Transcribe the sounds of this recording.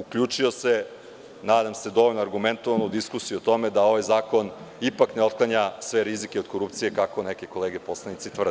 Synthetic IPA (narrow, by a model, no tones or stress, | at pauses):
ukʎuːt͡ʂio̞se | naːd̪amse̞d̪o̞ʋo̞ʎnoaɾɡument̪oʋanoud̪iskusijuot̪o̞med̪ao̞ʋajzaːko̞nipakneo̞t̪̚klˠaɲasʋe̞ɾizikeo̞d̪̚ko̞ɾupt̪sijekako̞nekeko̞leːɡe̞po̞slenit̪sit̪ʋrd̪